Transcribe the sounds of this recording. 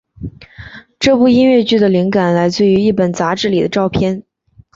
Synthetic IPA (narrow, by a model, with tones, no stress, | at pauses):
ʈ͡ʂɤ˥˧pu˥˩i˥nɥɛ˥˩˧t͡ɕy˥˩d̪ə˩li˧˥ŋka˨˩nla˧˥ɪt͡sw̩˥˩y˧˥i˥˩pə˨˩nt͡sa˧˥ʈ͡ʂɻ̩˥˩li˨˩d̪ə˦ʈ͡ʂɑ˥˧ʊpʰjɛ˥˧n